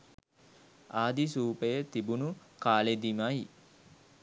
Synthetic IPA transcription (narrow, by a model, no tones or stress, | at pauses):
aːd̪isuːpəjət̪ibunukaːled̪imaji